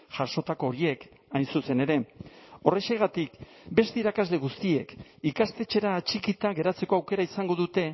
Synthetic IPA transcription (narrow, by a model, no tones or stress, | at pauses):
ʝaʃo̞t̪ako̞ːɾie̞k | ajnsuse̞ne̞ɾe̞o̞re̞ʃeɣat̪ik | be̞st̪eiɾakazle̞ɣ̞ust̪ie̞kikast̪e̞t͡ʃe̞ɾaːt͡ʃikit̪aɣe̞ɾat͡se̞ko̞awke̞ɾaisaŋɡo̞ðut̪e̞